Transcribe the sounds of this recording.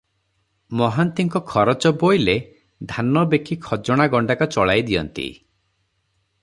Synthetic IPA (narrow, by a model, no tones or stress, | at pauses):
mɔɦant̪iŋkɔkʰɔɾɔt͡ʃɔbojle | d̪ʱanɔbekʰikʰɔd͡ʒɔɽ̃aɡɔɳɖakɔt͡ʃɔɭajd̪iɔ̰nt̪ḭ